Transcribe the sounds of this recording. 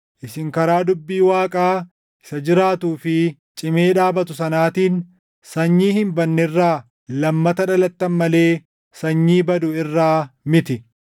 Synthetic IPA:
ʔɪsɪŋkɐɾaːd̪ʊbːiːwaːkʼaː | ʔɪ̥sɐd͡ʒɪɾaːt̪uːfɪ | t͡ʃʼɪmeːᶑaːbɐt̪ʊsɐnaːt̪iːn | sɐɲːiːhɪmbɐnːɪrːaː | lɐmːɐt̪ɐᶑɐlɐt̪ːɐnmɐle̞ː | sɐɲːiːbɐd̪ʊɪrːaːmɪt̪ɪ

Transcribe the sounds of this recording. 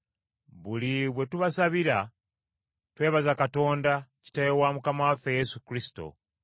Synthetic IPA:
βuliβwe̞tuβasaβiɾa | twe̞ːβazakato̞ːndaci̥tajewamukamawafe̞je̞sukɾisi̥to̞̰

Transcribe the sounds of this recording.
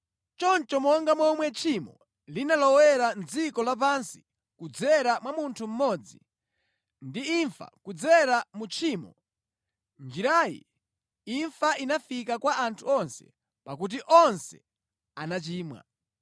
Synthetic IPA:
t͡ʃɔnt͡ʃɔmɔŋɡamɔmwɛt͡ʃʰimɔ̰ | linalɔwɛɾand͡zikɔlap̬ansi̥ | kud͡zɛɾamwamuntʰum̩mɔd͡zḭ | ndiiɱfa̰kud͡zɛɾamut͡ʃʰiːmɔ̰ | nd͡ʒiɾaːjḭ | iɱfaʔinafikakwaʔantʰuɔnsɛ̥̰ | pakut̬iʔɔnsɛ̰ | anat͡ʃiːmwa̰

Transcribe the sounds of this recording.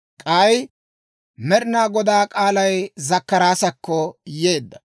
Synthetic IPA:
kʼɐj | mɛɾɪnaːɡɔd̪aːkʼaːlɐjzɐkːɐɾaːsɐkːɔje̞ːd̪ːɐ

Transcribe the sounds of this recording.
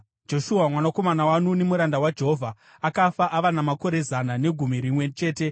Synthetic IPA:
d͡ʒo̞ʃuamwanako̞manawanune̞muɾandawad͡ʒe̞ɦovʱa | akafaʔaʋanamako̞ɾe̞zanane̞ɡʱumiɾimwe̞t͡ʃe̞ːte̞

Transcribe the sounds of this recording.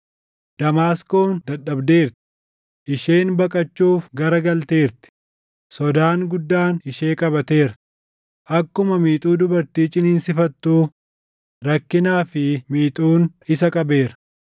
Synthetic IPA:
d̪̥ɐmaːsko̞ːnd̪ɐᶑːɐbd̪e̞ːɾt̪ɪ̥ | ʔɪʃe̞ːnbɐkʼɐt͡ʃːuːfɡɐɾɐɡɐlt̪eːɾt̪ɪ̥ | sɔd̪aːnɡʊd̪ːaːnɪʃe̞ːkʼɐbɐt̪e̞ːɾɐ̥ | ʔɐkːʊmɐmiːt̪ʼuːd̪ʊbɐɾt̪iːt͡ʃʼɪniːnsɪfɐt̪ːuː | ɾɐkːɪnaːfɪmiːt̪ʼuːn | ɪsɐkʼɐbe̞ːɾɐ̥

